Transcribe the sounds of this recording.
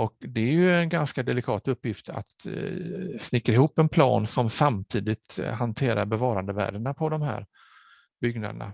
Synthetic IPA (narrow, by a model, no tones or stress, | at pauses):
ʔɔkd̪ɛæɾjɵɛnɡanskad̪ɛlɪkʰɑːt̪ɵpːjɪft̪ʰa̰t̪ | snɪkːaɾɪhuːpːɛnpʰlɑ̰ːnsɔmsamt̪ʰiːd̪ɪt̪hant̪ʰeːɾa̰ɾbɛvɑːɾand̪əvæ̰ːɖəɳapʰɔd̪ɔmhæ̰ːɾ | bʏɡna̰d̪əɳa̰